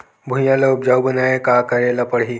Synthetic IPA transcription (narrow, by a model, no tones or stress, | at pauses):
bʱũjjalaupd͡ʑawbənajekakəɾalapəɽɦi